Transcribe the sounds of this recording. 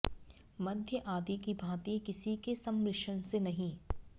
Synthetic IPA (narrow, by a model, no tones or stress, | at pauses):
mɐd̪ʱjəʔaːd̪ikibʱaːt̪ikɪsikesɐmɾɪʃənsenɐɦĩː